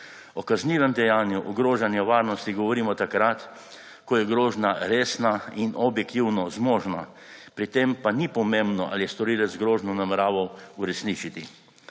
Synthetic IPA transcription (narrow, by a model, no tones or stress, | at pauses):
ɔkazniːʋɛmd̪ɛjaːnjuʔɔɡɾoːʒanjaʋaːɾnɔst̪iɡɔʋɔɾiːmɔt̪akɾat̪ | kɔjɛɡɾoːʒnaɾeːsnainʔɔbjɛkt̪iwnɔzmoːʒna | pɾit̪empanipɔmẽmbnɔʔa̰lijɛst̪ɔɾiːlɛzɡɾoːʒnɔnamɛɾaːʋɐwuɾɛsnit͡ʃit̪i